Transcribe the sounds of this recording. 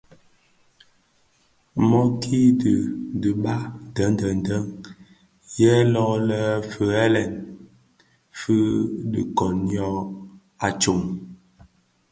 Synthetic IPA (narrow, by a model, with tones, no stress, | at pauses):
mɔ˦kʰi˦də˨də˨ɓa˦də˨˦n˦də˨n˨də˦ŋ | jɛ˦lɔ˦lə˦fə˨ɛ˦lɛ˨n | fɨ˦ɗḭ˨kɔ˨njɔ˦˨ | a˨t͡ʃo˨ŋ